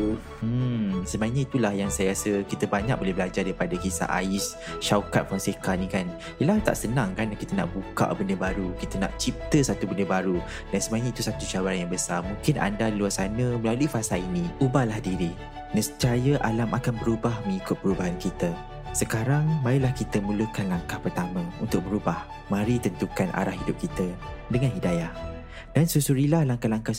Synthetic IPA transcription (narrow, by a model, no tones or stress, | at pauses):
m̩səmaiɲait̪ulahjaŋsajaasəkit̪əbaɲak̚bolɛhbəlad͡ʒardaɾipadakisa̰ʔa̰ɪs | ʃawkat̪̚fɔnsekanĩkan | ilaht̪a̰ʔsənãŋkanakit̪əna̰ʔbuka̰ʔbəndəbaɾukit̪əna̰ʔt͡ʃip̚t̪əsat̪ubəndəbaɾu | dansəmaɲait̪usat̪ut͡ʃawaɾanjaŋbəsamũŋkɪnʔa̰ndadiluarsanə̃məlaluifasainĩubahlahdiɾi | nəst͡ʃajəʔalamakanbəɾubahmə̃ŋikʊt̪̚pəɾubaɦankit̪ə | səkaɾaŋmailahkit̪əmũləkanlaŋkahpərt̪amə̃ṵnt̪ʊk̚məɾubah | mãɾit̪ənt̪ukanʔa̰ɾahɦidʊp̚kit̪ə | dəŋãnɦidajah | d̥ansusuɾilahlaŋkahlaŋka